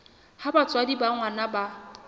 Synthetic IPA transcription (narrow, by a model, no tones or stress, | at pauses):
habat͡sʼwadibaŋwanaba